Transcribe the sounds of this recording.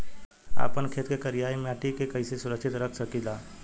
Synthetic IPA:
a̰ːpənkʰeːt̪kekəɾijaːimeaʈikekəisesʊɾəksɪt̪ɾəkʰsəkilaː

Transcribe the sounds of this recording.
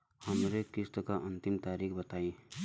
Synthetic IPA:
həmɾekɪst̪əkaʔə̃nt̪ɪmt̪aːɾiːkʰbət̪aːĩ

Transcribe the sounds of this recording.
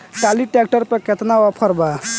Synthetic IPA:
ʈaliʈek̚ʈəɾpeket̪naɔpʰəɾba

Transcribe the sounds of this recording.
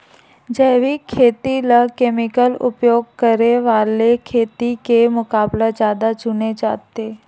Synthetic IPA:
d͡ʒəːʋikʰːeːt̪iləkeːmɪkəlʊ̰pjoːɡ̚kəɾeʋaːlekʰeːt̪ikemʊkaːbled͡ʒjaːd̪ad͡ʒʊned͡ʒa̰ːt̪e

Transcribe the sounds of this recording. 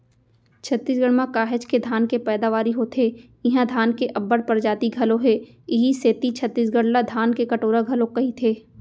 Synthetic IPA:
t͡ʃʰɐt̪ːiːsɡəɽmãkaːɦɪd͡ʒked̪ʱaːnkepɛːd̪aʋaːɾiɦot̪ʰe | ɪɦãd̪ʱaːnkeʔɐbːəɽpɐɾd͡ʒaːt̪iɡʱɐlõɦɛː | ɪɦiseːt̪it͡ʃʰɐt̪ːiːsɡəɽlad̪ʱaːnkekɐʈoːɾaɡʱɐlõkɐɦit̪ʰeː

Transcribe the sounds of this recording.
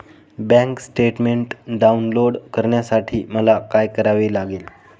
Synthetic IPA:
bɛ̃ŋksʈeʈmeɳʈɖaunloɽkəɾɳjasaʈʰiːməlakajkəɾaʋelaɡeːl

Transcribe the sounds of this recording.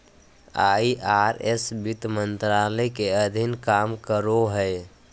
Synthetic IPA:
aiʔaɾesbit̪mənt̪ɾaləjkeəd̪ʱinkamkəɾoɦəj

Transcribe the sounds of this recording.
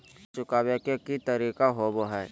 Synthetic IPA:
t͡ʃʊkaːwekekit̪əɾiːkaɦoboɦɛː

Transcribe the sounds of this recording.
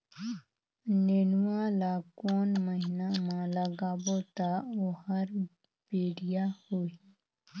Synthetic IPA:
nenwalaːkoːnməɦinamãləɡaːbot̪aohəɾ | b̥eːɽijahoi

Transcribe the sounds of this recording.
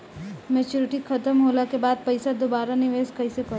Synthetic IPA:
mɛːt͡ʃuːɾɪʈikʰət̪əmɦoːlakebaːd̪̚pɐɪsad̪obaːɾanɪʋeːskɐɪsepə

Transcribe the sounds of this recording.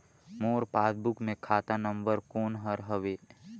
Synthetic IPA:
moːɾpaːsbukmẽkʰaːt̪anə̃mbəɾkoːnɦəɾɦəʋeː

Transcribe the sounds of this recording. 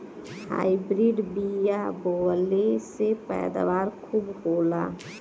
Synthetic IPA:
ha̰ibɾiɖbijaboːlesepɛ̰ːd̪a̰ʋaːɾkʰubɦoːlaː

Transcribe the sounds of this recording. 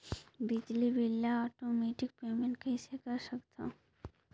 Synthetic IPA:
bid͡ʒlibilːaɔʈomeʈik̚pemẽɳʈkejsekaɾʃəkt̪ã

